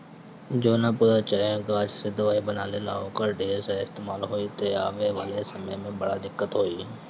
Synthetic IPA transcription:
d͡ʒoːnapʊɾat͡ʃəẽɡaːd͡ʒsed̪ʊʋaːibənaːlela̰ːokəɾɖeːsaɪst̪eːmaːlɦoːit̪oa̰ːʋeʋaːlesɐməjmẽbəɽad̪ɪkːət̪ɦoːiː

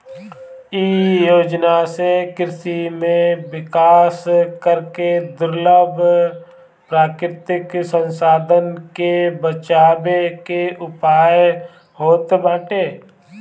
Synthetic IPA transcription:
iːjoːd͡ʒnasekɪɾɪsimẽwɪkaːskəɾked̪ʊɾləbʱ | pɾaːkɾɪt̪ɪksə̃nsaːd̪ʱənkebət͡ʃaːbekeʔʊpaːj | hoːt̪bãːʈeː

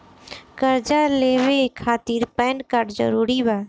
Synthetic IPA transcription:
kəɾd͡ʒaleːʋekʰaːt̪iːɾpɛːnɖkaɾɖd͡ʒə̰ɾuːɾibaː

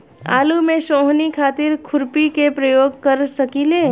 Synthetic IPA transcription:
a̰ːlumẽʃoːɦnikʰaːt̪ɪɾkʰʊɾpikepɾɐjoːɡ̚kɐɾsɐkiːleː

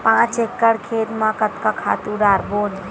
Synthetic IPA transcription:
pãt͡ʃekːəɽkʰet̪mãkət̪kakʰa̰ːt̪uɖaːɾboːn

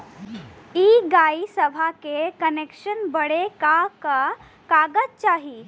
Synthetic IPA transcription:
iːɡaːisəbʱakekənekʃənbəɽekaka | kaːɡəd͡ʒt͡ʃaːɦi

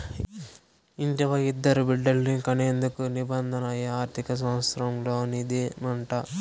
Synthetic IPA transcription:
iɲd͡ʒɐʋɐɡid̪ːɐɾubiɖːɐlːikɐneːnd̪ukunibɐnd̪ʱɐnɐjɐaːɾt̪ʰikɐs̬ɐmɐsɾɐmloɐnid̪imɐɳʈɐ

